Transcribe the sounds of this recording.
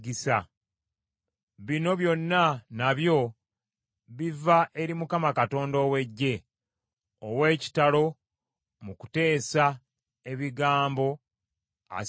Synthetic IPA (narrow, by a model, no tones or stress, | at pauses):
ɡisa | βino̞βjo̞nːanaβjo̞ | βivaʔe̞ɾimukamakato̞ːndo̞ːwe̞ɟːe̞ | owe̞ːci̥talo̞ | muku̥te̞ːsa | e̞βiɡaːmbo̞ | a̰